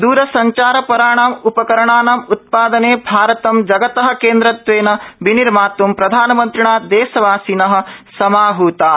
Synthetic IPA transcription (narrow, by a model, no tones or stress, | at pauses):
d̪uːɾɐsɐɲt͡ʃaːɾɐpɐɾaːɳaːmupɐkɐɾɐɳaːnaːmut̪̚paːd̪ɐneːbʱaːɾɐt̪ɐmd͡ʒɐɡɐt̪ɐɦɐ̆keːnd̪ɾɐt̪ʋeːnɐbiniɾmaːt̪ʋumpɾɐd̪ʱaːnɐmɐnt̪ɾiɳaːd̪eːsɐʋaːsinɐɦɐ̆sɐmaːɦuːt̪aː